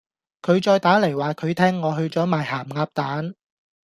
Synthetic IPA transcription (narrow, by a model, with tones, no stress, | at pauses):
kʰɵ˨˧ɥt͡ʃɔː˧jt̪aː˨˥le˨˩jwaː˨kʰɵ˨˧ɥt̪ʰɛː˥ŋːɔː˨˧ɦɵ˧ɥt͡sɔː˨˥maː˨˩jhaː˨˩mŋaː˧p̚t̪aː˨˥n